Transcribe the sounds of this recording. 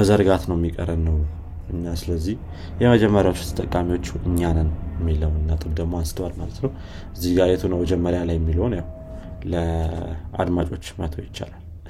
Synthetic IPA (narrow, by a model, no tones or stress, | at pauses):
məzəɾɡat̪nəwjɛmːikʼə̰ɾənːəw | ɨɲːasɨləzːih | jɛməd͡ʒɛmːəɾjawot͡ʃːu̥t̪ʰə̥t̪ʼəkʼːamiwo̞t͡ʃːuɨɲːanɨnjɛmːiləwnɨnːat̪ʼɨmd̪əɡmoansɨ̥t̪ʰwalmalət̪nəw | ʔɨzːihɡajɛt̪ʰunəwməd͡ʒɛmːəɾjalajːɛmːilonjaw | lə | a̰d̪mat͡ʃʼo̞t͡ʃːmət̪ʰəwjɪt͡ʃːa̰lal